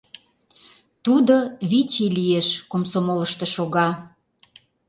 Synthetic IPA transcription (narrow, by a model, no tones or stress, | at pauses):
t̪ud̪oβit͡ɕilieʃkomsomoləʃt̪ĕʃoɣɑ